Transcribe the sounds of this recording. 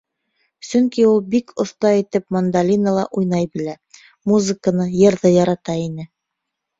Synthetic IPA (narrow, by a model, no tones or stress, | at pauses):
sɵŋkiulˠbikʰŏθt̪ɑit̪ɘpmɐnd̪alʲinəlˠɑʔujnɑjbɘ̆læ | muzɨkənɤjɤ̆ɾðɤjɑɾɑt̪ɑinɘ